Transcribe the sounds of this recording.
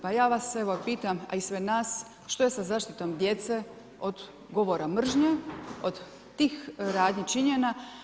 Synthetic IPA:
pajaːʋaseʋo̞piːt̪ama̰isʋenaːs | ʃt̪o̞je̞sazaːʃt̪it̪o̞md̪je̞t̪se | od̪ | ɡo̞ʋoɾamr̩ʒɲeod̪ː | iːxɾaːd̪ɲit͡ʃiɲena

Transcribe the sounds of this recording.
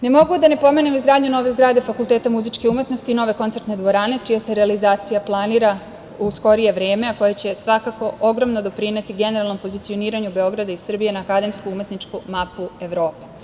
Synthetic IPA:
ne̞mo̞ɡud̪ane̞po̞me̞nemizɡɾaːd̪ɲuno̞ːʋeizɡɾaːd̪efakulˠt̪et̪amuzit͡ʃkeumje̞t̪no̞st̪ino̞ːʋe̞ko̞nt̪se̞ɾt̪ne̞d̪ʋo̞ɾane̞t͡ʃijase̞ɾealizaːt̪sijaplˠaniːɾa | usko̞ɾije̞ʋɾeːme̞ako̞jat͡ɕe̞sʋakako̞ʔo̞ɡɾomnod̪o̞pɾine̞t̪iɡe̞ne̞ɾalˠno̞mpo̞zit̪sio̞niːɾaɲube̞o̞ɡɾad̪aisr̩bije̞naːkad̪e̞mskuume̞t̪nit͡ʃkumapue̞ʋɾo̞ːpe

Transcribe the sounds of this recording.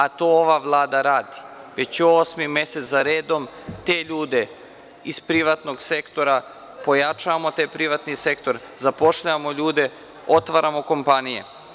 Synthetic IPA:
at̪ooʋaʋlˠaːd̪aɾaːd̪i̥ʋet͡ɕoːsmimje̞set̪zaɾeːd̪o̞m | t̪eːʎuːd̪e̞ | ispɾiʋat̪no̞ɡse̞kt̪o̞ɾa | po̞jat͡ʃaʋamo̞t̪ajpɾiʋat̪nise̞kt̪o̞ɾ | zapo̞ʃʎaʋamo̞ʎuːd̪e̞ | o̞t̪ʋaɾamo̞ko̞mpanijḛ

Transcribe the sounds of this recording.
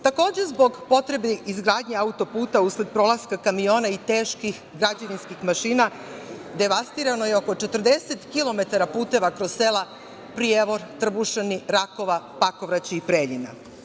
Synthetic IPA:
t̪ako̞ːd͡ʑezbo̞ɡpo̞t̪ɾe̞beizɡɾaːd̪ɲeaut̪o̞puːt̪ausled̪̚pɾo̞lˠaskakamijo̞ːnait̪eːʃkix | ɡɾad͡ʑeʋinskixmaʃiːna | d̪e̞ʋast̪iɾano̞je̞oko̞t͡ʃet̪r̩d̪eset̪kilo̞me̞t̪aɾapuːt̪e̞ʋakɾosseːlˠa | pɾijeʋo̞ɾt̪r̩buʃeniɾako̞ʋapako̞ʋɾat͡ɕiipɾeːʎina̰

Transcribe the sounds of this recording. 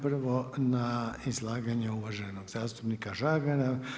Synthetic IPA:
pr̩ʋonaizlˠaːɡaɲeuʋaʒeno̞ɡzaːst̪u̥pnikaʒaːɡaɾa

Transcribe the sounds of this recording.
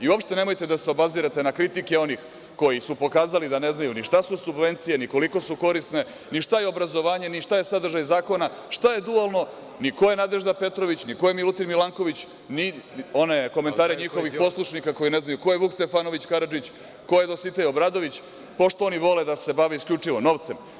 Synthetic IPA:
iuopʃt̪e̞ne̞mo̞jt̪e̞d̪aseobaziɾat̪e̞nakɾit̪ike̞o̞nix | ko̞jisupo̞kaːzalid̪ane̞znajuniʃt̪asusubʋe̞nt̪sijeniko̞liko̞suko̞ɾist̪ne̞ | niʃt̪ajeo̞bɾazo̞ʋaːɲe̞niʃt̪aje̞sad̪r̩ʒajzaːko̞naʃt̪aje̞d̪ualˠno̞ | niko̞jenad̪e̞ʒd̪ape̞t̪ɾo̞ʋit͡ɕniko̞jemilut̪iɾmilˠaŋko̞ʋit͡ɕ | nio̞ne̞ko̞met̪aːɾeɲixo̞ʋixpo̞slˠuʃnikako̞jineznajuko̞jeβukst̪e̞fano̞ʋit͡ɕkaɾad͡ʒit͡ɕ | ko̞jed̪o̞sit̪ejobɾaːd̪o̞ʋit͡ɕ | po̞ʃt̪ooniʋo̞le̞d̪ase̞baʋeiskʎʲut͡ʂiʋo̞no̞ʋt̪se̞m

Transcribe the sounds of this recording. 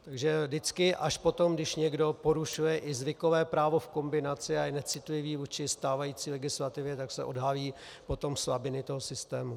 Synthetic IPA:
t̪aɡʒɛdɪt͡skɪʔaʃpo̞t̪o̞mɡdɪʃɲɛɡdo̞po̞ɾuʃujɛʔɪzvɪkovɛːpɾaːvofko̞mbɪnat͡sɪaɛnɛt͡sɪt̪lɪviːvuːt͡ʃɪst̪aːvajiːt͡siːlɛɡɪslat̪ɪvjɛt̪aksɛ̰ʔo̞̰dɦaliː | po̞t̪o̞msvabɪnɪt̪oɦosɪst̪ɛːmu

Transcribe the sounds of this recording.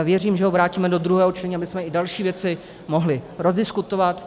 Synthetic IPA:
vjɛriːmʒɛɦovɾaːciːmɛdod̪ɾuɦɛːɦot͡ʃt̪ɛɲːabɪsmɛɪdalʃiːvjɛt͡sɪ | moɦlɪɾozdɪskut̪ovat̪

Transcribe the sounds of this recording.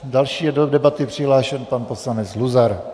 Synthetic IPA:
dalʃiːjɛdodɛbat̪ɪpr̥ɪɦlaːʃɛnpanposlanɛt͡sluzaɾ

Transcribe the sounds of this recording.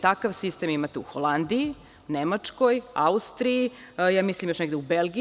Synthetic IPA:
t̪akaʋsist̪eːmimat̪eṵxolˠand̪ii | nemat͡ʂko̞jaust̪ɾiijaːmislimjo̞ʃneɡd̪eubelɡi

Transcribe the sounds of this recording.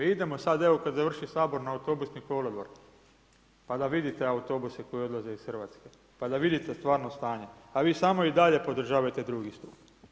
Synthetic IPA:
id̪e̞mo̞sad̪e̞ʋokad̪zar̩ʃisaːbo̞ɾnaut̪o̞busnikoːlod̪ʋoɾ | pad̪aʋid̪it̪e̞aut̪o̞ːbuseko̞jio̞d̪lˠaze̞isxrʋat̪ske̞ | pad̪aʋid̪it̪e̞st̪ʋaːɾnost̪aːɲe̞aʋiːsamo̞id̪aʎe̞po̞d̪r̩ʒaːʋajet̪ed̪ɾuɡist̪uːp

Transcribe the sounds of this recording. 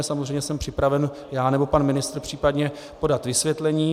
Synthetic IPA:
samozreɛjɲɛsɛmpr̝̥ɪpɾavɛn | jaːnɛbo̞panmɪnɪst̪ɾr̩pr̥iːpadɲɛ | po̞dat̪vɪsvjɛt̪lɛɲiː

